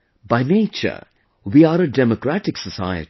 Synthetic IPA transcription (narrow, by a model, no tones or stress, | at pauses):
baɪneːt͡ʃə̰ | ʋiːaːɾəɖɛmokɾæʈɪksəsa̰ɪə̰t